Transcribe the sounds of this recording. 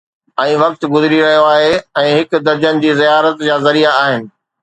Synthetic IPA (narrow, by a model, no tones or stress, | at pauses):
ɛ̃ːʋɐk̚t̪ɡʊzɪɾiɾɐɦijoaːɦeɛ̃ːɦɪkʊ̆d̪ɐɾd͡ʑənɪ̆d͡ʑiːzijaːɾət̪d͡ʑaːzɐɾiaaːɦɪnɪ̆